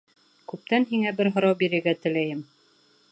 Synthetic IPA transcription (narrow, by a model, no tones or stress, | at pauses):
kʉp̚t̪ænɦiŋæbɘɾɦŏɾɑwbiɾɘ̆ɾɡæt̪ɘ̆læjɘm